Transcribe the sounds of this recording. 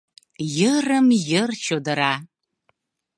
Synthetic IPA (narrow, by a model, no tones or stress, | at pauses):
jɨrɨmjɨrt͡ʃʰodɐɾa